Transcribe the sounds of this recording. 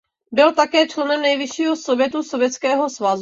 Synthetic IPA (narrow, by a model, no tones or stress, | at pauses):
bɪlt̪akɛːt͡ʃlɛnɛmnɛjvɪʃiːɦosovjɛt̪usovjɛt͡skɛːɦo̞svaz